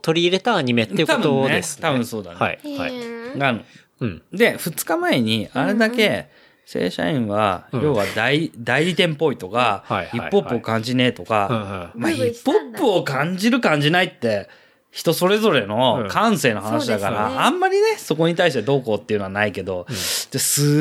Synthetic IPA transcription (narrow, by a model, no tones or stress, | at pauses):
t̪o̞ɾʲiːɾe̞t̪aːɲ̟ime̞t̪ːet̪abɯnːeest̪abɯ̟̃so̞ːd̪a̰n̰ | ɡã | d̪e̞ɸɯ̟t͡sɨ̥kamae̞ɲ̟iaɾe̞d̪ake̞ | se̞̰ːɕa̰ĩɰ̃βa̰jo̞ːβad̪aid̪aiɾʲit̪ẽ̞mpo̞it̪o̞kaipːo̞ːɯ̟okãɲ̟d͡ʑine̞ːt̪o̞kamaipːopːɯ̟o̞kãɲ̟d͡ʑiɾɯ̟kãɲ̟d͡ʑinait̪ːe̞ | çi̥t̪o̞so̞ɾe̞zo̞ɾe̞no̞kãɰ̃se̞ːno̞ɦanaɕid̪akaɾaʔːmːaɾʲine̞so̞ko̞ɲ̟it̪aiɕ̬t̪e̞d̪o̞ːkoːt̪ːeiɯ̟noanaike̞d̪o̞t̪esɨ